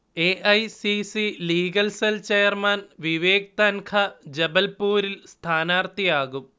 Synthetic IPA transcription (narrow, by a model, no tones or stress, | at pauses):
eːʔɐjsisiliːɡɐlselt͡ɕejɐrmanʋiʋeːk̚t̪ɐnkʰɐd͡ʑebɐlpuːɾilst̪ʰaːnaːrt̪ijaːɣum